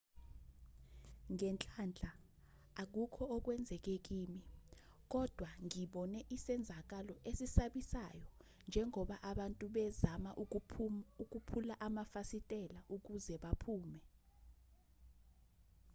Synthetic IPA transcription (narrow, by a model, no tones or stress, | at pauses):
ŋɛnt͡ɬʼand͡ɮʱaː | k̬ukʰɔɔk̬wɛnd͡zʱɛk̬ek̬iːmi | k̬ɔd̥ʱwaŋiɓɔnɛʔisɛnd͡zʱak̬alɔʔesisaɓisajɔ | nd͡ʒʱɛŋɔɓaʔaɓantʼuɓɛzama | uk̬upʰulaʔamafasitʼɛlaʔuk̬uzɛɓapʰuːmɛ